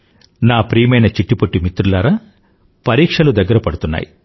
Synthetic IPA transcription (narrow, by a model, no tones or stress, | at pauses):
naːpɾiːmɐjnɐt͡ʃiʈːipoʈːimit̪ɾulaːɾa | pɐɾiːkʂɐlud̪ɐɡːɐɾɐpɐɽut̪unːa̰ːji